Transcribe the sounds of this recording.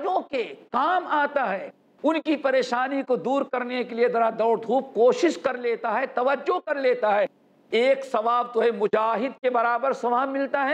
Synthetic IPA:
d͡ʒõkekaːmaːt̪aɦɛː | ʊnkipɐɾeːʃaːnikod̪uːɾkɐɾnekelied̪ɐɾad̪ɐːɽd̪ʰʱuːp̚koːʃɪʃkɐɾleːt̪aɦɛt̪ɐʋəd͡ʒːokɐɾleːt̪aɦɛː | eːksɐʋaːbt̪oɦɛmʊd͡ʒaːɦɪd̪kebɐɾaːbəɾsɐʋaːbmɪlt̪aɦɛː

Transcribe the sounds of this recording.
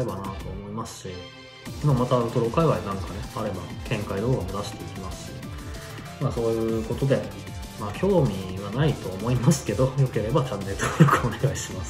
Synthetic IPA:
e̞banat̪o̞ːmo̞imasɨ̥ɕi | mamat̪aːɾɯ̟t̪o̞ɾo̞kaiβainãŋkane̞aɾe̞bakʰẽ̞ŋkaid̪o̞ːɡamod̪aɕi̥t̪e̞ikʲimasɨ̥ɕi̥ | maːso̞ːjɯ̟ːko̞t̪o̞d̪e̞ | maːçʲo̞ːmʲiβanait̪o̞ːmo̞imasɨ̥ke̞d̪o̞jo̞ke̞ɾe̞bat͡ɕãnːe̞t̪oɾɯkɯone̞ɡaiɕimasɨ̥

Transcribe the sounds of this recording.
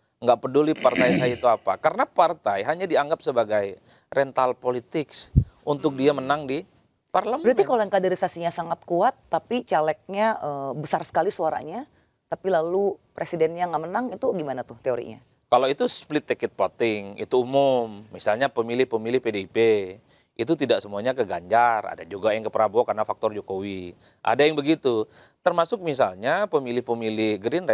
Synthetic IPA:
ŋɡaʔpədulipart̪ajsajit̪uapa̰kaɾənapart̪ajɦaɲadiaŋɡap̚səbaɡaj | rɛnt̪alpolit̪ɪksunt̪ʊk̚diamənaŋdi | parləməɾaikaloaŋkadeɾisasiɲasaŋat̪̚kuat̪ːapit͡ʃalɛk̚ɲaʔəːbəsarsə̥kalisuaɾa̰ɲa | t̪apilalupɾesidɛnɲaŋamənaŋit̪uɡimanat̪ʊht̪eoɾḭɲa̰ | kaloit̪usplɪt̪ːikɛt̪̚pot̪ɪŋḭt̪uːmʊmːisalɲapəmilɪhpəmilɪhpedeipe | ʔit̪̬ut̪idaksəmuaɲakəɡaɲd͡ʒara̰dad͡ʒuɡajaŋkəpəɾabokarnafak̚t̪ɔrd͡ʒokowi | ʔa̰dajaŋbəɡit̪u | t̪ərmasʊk̚misalɲapəmilɪhpəmilɪhɡɾɪnr

